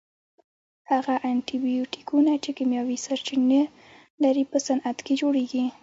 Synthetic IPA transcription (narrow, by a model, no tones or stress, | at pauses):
haɣaʔaɳʈibijoʈi̥kunat͡ʃekimjɑwisaɾt͡ʃine | laɾipəsanat̪ked͡ʒoɽeɡi